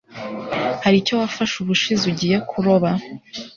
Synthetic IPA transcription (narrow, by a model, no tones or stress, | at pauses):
haɾico̞wafaʃuβuʃiziuɟijekʰuɾo̞βa